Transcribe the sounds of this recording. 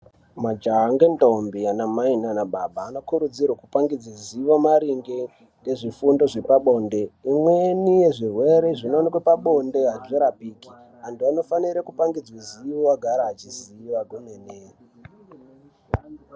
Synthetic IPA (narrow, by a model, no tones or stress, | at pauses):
mad͡ʒaŋɡentombianamainanaɓabaːno̞kuɾud͡zirwakupaŋɡid͡ziziʋamaɾiŋɡe | ŋɡe̞ʐifundo̞ʐe̞paɓo̞nde̞imwenije̞ʐirwe̞ɾe̞ʐinonikwepaɓo̞nde̞ɦaʐeɾapiːki | antuano̞faniɾakupaŋɡid͡zwiziʋowaɡʱaɾaːt͡ʃiziiwaɡunene